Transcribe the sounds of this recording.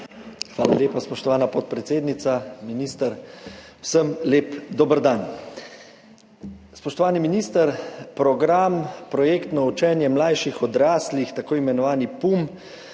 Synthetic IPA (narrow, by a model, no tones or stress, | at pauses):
xʋaːlalʲjeːpaspɔʃt̪ɔʋaːnapɔt̪̚pɾɛt̪seːd̪nit̪saminiːst̪əɾwsəmleːpd̪ɔbəɾd̪an | spɔʃt̪ɔʋaːniminiːst̪əɾpɾɔɡɾampɾɔjeːkt̪nɔut͡ʃɛːnjɛmlajʃixɔd̪ɾaːslixt̪akoːimɛnɔʋaːnipum